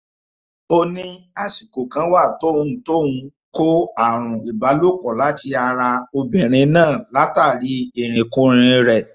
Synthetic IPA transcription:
o˧nĩ˧ | a˧si˨ko˨kã˦wa˦˨to˦ũ˧˦˨to˦ũ˧ | ko˦a˨ɾ̃ũ˨i˨ba˨˦lo˦˨kɔ˨la˨˦ti˧˦a˧ɾa˧o˧bɛ˨ɾ̃ĩ˧nãː˦˨la˨˦ta˦˨ɾi˨˦e˦˨ɾ̃ĩ˨kũ˦ɾ̃ĩ˧ɾɛ˨

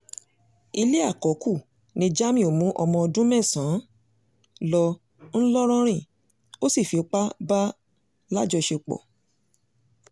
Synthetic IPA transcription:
i˧le˦a˦˨kɔ˨˦ku˦˨ | nĩ˧d͡ʒa˦mĩ˦˨o˨mũ˨˦ʔɔ˧mɔ̃˧ɔ˧dũ˦mɛ̃˦˨sã˨˦ | lɔ˧ | ñ̩˦lɔ˦ɾ̃ɔ̃˦ɾ̃ĩ˦˨ | o˦si˦˨fi˨o˧k͡pa˦ba˦ | la˦d͡ʒɔ˧ʃe˧k͡pɔ̰˨

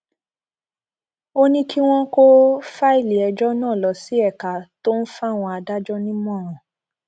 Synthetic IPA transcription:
o˦nĩ˦kʰi˦w̃ɔ̃˦ko˦fa˦i˦˨le˨ɛ˨d͡ʒɔ˦nãː˦˨lɔ˨˦si˦ɛ˦˨ka˨to˦n̩˦fa˦˨w̃ɔ̃˧a˧da˦d͡ʒɔ˦nĩ˦mɔ̃˦˨ɾ̃ɔ̃˨

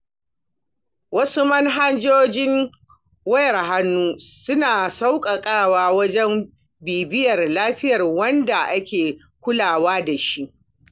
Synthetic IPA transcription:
wɐ˦su˦mɐ˦ŋɦa˦nd͡ʒoː˦d͡ʒɪ˦ŋ | wɐ˦jɐ˨rɦa˦nːuː˦sʊ˦naː˨sa˦wkʼɐ˨kʼaː˦˨waː˦wɐ˦d͡ʒɛ˦m | biː˨bɪ˦jɐ˨rlaː˦ɸɪ˦jɐ˨rwɐ˦nda˨ʔa˦kʲeː˨ | kʷʊ˦laː˨waː˦da˨ʃi˦ʔ

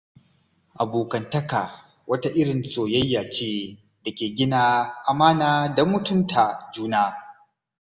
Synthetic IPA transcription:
ʔa˨boː˨kɐ˨ntɐ˦ka˨ | wɐ˦ta˦ʔɪ˦ɽɪ˨nsʼoː˨jɐ˦jːaː˨t͡ʃeː˦ | da˨kʲeː˨ɡʲɪ˦naː˦ʔa˨maː˦naː˨da˨mʊ˨tʊ˦ntʰa˨d͡ʒuː˦naː˦

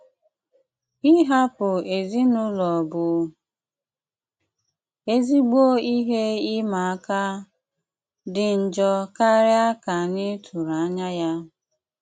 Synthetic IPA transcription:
i˦ɦa˦pʊ˨e˨zi˦nʊ˦lɔ˨bʊ˨˦ | e˦zi˦ɡ͡bo˦i˦ɦe˦i˦ma˨a˦ka˦ | dɪ˨n̩˨d͡ʒɔ˦ka˦ɾɪ˦a˦ka˨nɪ˦tʰu˨ɾa˨a˦ɲa˦ja˦

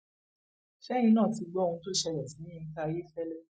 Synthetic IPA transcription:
ʃɛ̃˦ĩ˧nãː˦˨ti˧ɡ͡bɔ˦˧ũ˧to˦ʃɛ˧ɾɛ˨sĩ˨˦ĩ˦i˧ta˦˧je˦fɛ˦lɛ˦

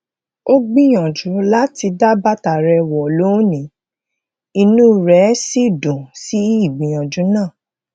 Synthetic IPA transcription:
o˦ɡ͡bĩ˦j̃ɔ̃˨d͡ʒu˨˦la˦ti˧da˦ba˦ta˨ɾɛ˧wɔ˨lo˨˦nĩ˨˦ | i˧nũ˦ɾɛ˨˦si˦˨dũ˨si˨˦i˦i˦˨ɡ͡bĩ˨j̃ɔ̃˨d͡ʒu˨˦nãː˦˨

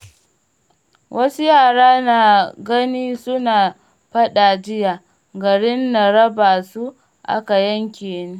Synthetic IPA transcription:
wʔɐ˦su˦jaː˦˨ɽaː˦naː˨ɡɐ˦niː˦sʊ˦naː˨ | ɸɐ˦ɗaː˨d͡ʒɪ˦jaː˨ | ɡɐ˨ɽɪ˦nːa˨ɽɐ˦baː˨su˦ | ʔa̰˦ka˨jɐ˦ŋkʲeː˨neː˦

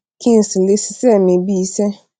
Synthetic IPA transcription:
kʰĩ˦n̩˨si˨lɪ˦sɪ̥˨sɛ˦mɪ̃˨bi˦sɛ˦

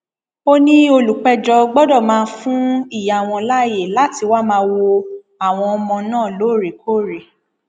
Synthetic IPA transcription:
o˦nĩ˦o˧lu˨k͡pɛ˧d͡ʒɔ˧ɡ͡bɔ˦dɔ˦˨mãː˦˧˦fũ˦i˦˨ja˨w̃ɔ̃˧la˦je˦˨la˦ti˧wa˦mãː˧˦wo˧ | a˨w̃ɔ̃˧ɔ˧mɔ̃˧nãː˦˨loː˨˦˨ɾe˨kʰo˦˨ɾe˨

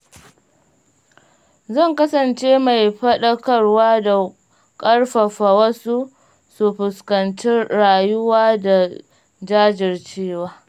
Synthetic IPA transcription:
zɐ˦˨ŋkɐ˦sɐ˨nt͡ʃeː˦ma˨jɸɐ˦ɗɐ˦kɐ˦˨rwaː˦da˨ | kʼɐ˦rɸɐ˨ɸa˨wɐ˦su˦ | su˨ɸʊ˨skɐ˨nt͡ʃɪ˦ɽaː˨jʊ˦waː˦da˨ | d͡ʒaː˦d͡ʒɪ˨rt͡ʃeː˦waː˦

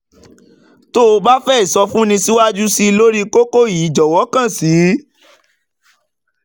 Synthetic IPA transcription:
to˦o˧ba˦fɛ˦i˨sɔ˧fũ˦nĩ˧si˦wa˦d͡ʒu˦si˦˧lo˦ɾi˦ko˦ko˦˨ji˨˦d͡ʒɔ˨wɔ˨˦kã˦˨si˨˦

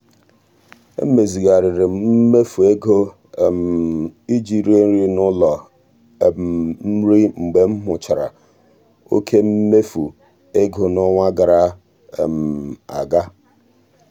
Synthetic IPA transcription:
ḛ˦me˨zi˨ɣa˨ɾɪ˨ɾɪ˨m̩˦me˦fu˨e˦ɡo˦˨ | m̩˨i˦d͡ʒi˨ɾe˦n̩˦ɾi˦nʊ˦lɔ˨ | m̩˦ɾi˦ŋ͡m̩˨ɡ͡be˨m̩˦ɦʊ˨t͡ʃa˨ɾa̰˨ | o̰˦kʰe˦m̩˦me˦fu˨ | e˦ɡo˨nɔ˦ŋʷa˦ɡa˨ɾa˦˨ | m̩˨a̰˨ɡa˦

